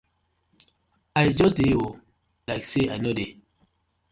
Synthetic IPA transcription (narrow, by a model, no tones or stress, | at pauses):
ajd͡ʒɔs̬deo | laɪkseajnode